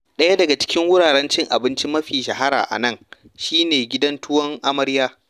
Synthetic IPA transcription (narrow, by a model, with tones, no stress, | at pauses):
ɗɐ˦ja˦dɐ˨ɡa˨t͡ʃɪ̥˦kʲɪ˦ŋwʊ˦ɽaː˨ɽɛ˦nt͡ʃɪ˦ŋʔa̰˨bɪ˦nt͡ʃi˦mɐ˦ɸiː˨ʃɐ˨ha˦ɾa̰ː˨ʔa̰˨nɐ˦˨ŋ | ʃiː˦neː˨ɡʲɪ˦dɐ˦ntʊ˦wɐ˦ŋʔa˦mɐ˦ɾjaː˦